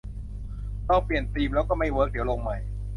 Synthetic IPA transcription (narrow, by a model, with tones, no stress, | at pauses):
t̪ɔ˥˩ŋpli˨˩ənt̪iː˧mlɛː˦˥wkɔː˥˩ma˥˩jwɤː˦˥k̚di˨˩˦lo˧ŋma˦˥˩j